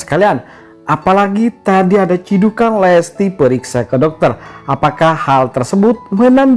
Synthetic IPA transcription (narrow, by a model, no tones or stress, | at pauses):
sə̥kalian | ʔapalaɡit̪adiadat͡ʃidukanlɛst̪ipəɾiksakədɔk̚t̪ərʔapakahalt̪ərsəbʊt̪̚mənan